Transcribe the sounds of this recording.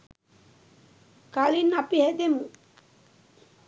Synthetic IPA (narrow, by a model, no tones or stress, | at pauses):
kalinapihɛd̪emu